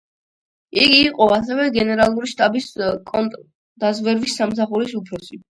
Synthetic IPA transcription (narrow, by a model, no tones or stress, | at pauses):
iɡiːqʼɔas̬ɛvɛɡɛnɛɾalˠuɾiʃt̪ʼabiskʼɔnt̪ʼ | d̪azvɛɾvisːamsaχuɾisupʰɾɔsi